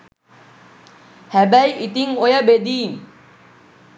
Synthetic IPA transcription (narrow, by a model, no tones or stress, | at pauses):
habajit̪iŋojabed̪in